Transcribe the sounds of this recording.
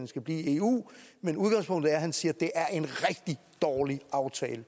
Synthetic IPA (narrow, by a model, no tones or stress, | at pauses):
nsɡ̥æb̥lḭːe̝ːṵːmenuð̞ˠɡ̥ɑ̈ŋspʰɔ̽ŋ̰d̥ð̩ˠæɐhænsiːɐd̥e̝ʔæɐʔe̝nʁɛɡ̥d̥i | d̥ɒːliɑ̈ʊt͡sʰɛ̰ːlə